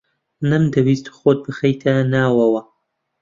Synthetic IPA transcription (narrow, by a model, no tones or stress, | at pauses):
nɐmd̪ɐwist̪xoːd̪̚bɨxɐjt̪ʰanaːwɐwɐ